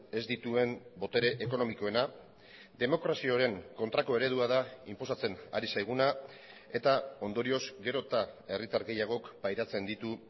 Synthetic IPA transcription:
e̞zd̪it̪ue̞mbo̞t̪e̞ɾe̞ʔeko̞no̞miko̞e̞na | d̪e̞mo̞kɾasio̞ɾe̞ŋko̞nt̪ɾako̞e̞ɾe̞ð̞uað̞aimpo̞sat͡se̞na̰ɾisajɣ̞una | e̞t̪ao̞nd̪o̞ɾio̞zɡe̞ɾo̞t̪ae̞rit̪aɾɣe̞jaɣ̞o̞kbajɾat͡se̞nd̪it̪u

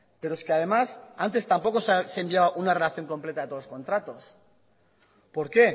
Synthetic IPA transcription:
pe̞ɾoeskeaðe̞masant̪e̞st̪ampo̞ko̞ssembjaβaʔunare̞laθjo̞ŋko̞mpleaðet̪olosko̞nt̪ɾat̪o̞s | po̞ɾke̞

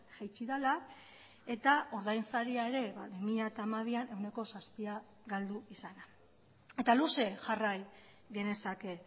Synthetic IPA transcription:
ʝajt͡ʃiðala | e̞t̪ao̞ɾðajnsaɾiae̞ɾe̞βa̰βimiʎat̪aːmaðiane̞wne̞ko̞saspia | ɡald̪uisana | e̞t̪aluse̞ʝaraj | ɡe̞ne̞sake

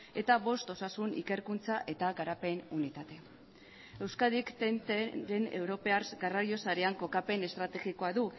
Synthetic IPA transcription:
e̞t̪aβo̞st̪o̞sasunḭke̞ɾkunt͡saʔe̞t̪aɣaɾape̞nunit̪at̪e̞ | e̞wskaðikt̪ent̪eɾe̞ne̞̰wɾo̞peaɾɡaraɾjo̞saɾeaŋko̞kape̞ne̞st̪ɾat̪e̞ɣiko̞aðu

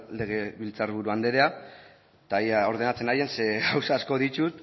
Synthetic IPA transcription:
le̞ɣ̞e̞βilt͡sarβuɾuand̪e̞ɾe̞a | t̪ajao̞ɾð̞e̞nat͡se̞naje̞nse̞ɣawsaːsko̞ðitut̪

